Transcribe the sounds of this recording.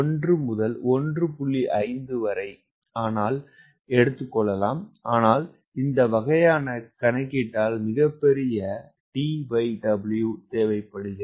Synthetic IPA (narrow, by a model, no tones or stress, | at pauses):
ɔndrɯmʊðɐlɔndrɯpʊɭːiʔɐɪnd̪ɯʋɐɾɐɪ | aːnaːl | ɛɽɯt̪ːɯkːɔɭːɐlaːmaːnaːl | ɪnd̪ɐʋɐɣɐjaːnɐkɐɳɐɪkːiʈːaːlmɪɣɐpːɛɾɪjɐ | ʈiʋɐɪɖɐbɪljuːt̪eːʋɐɪpːɐɽɯðɯ